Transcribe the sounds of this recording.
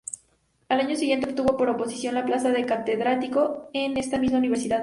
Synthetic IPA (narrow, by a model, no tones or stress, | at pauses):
alaɲo̞siɣjet̪eop̚t̪uβo̞po̞ɾo̞po̞sisjo̞nlaplasaðe̞kat̪e̞ðɾat̪iko̞ene̞st̪amizmauniβe̞ɾsiðað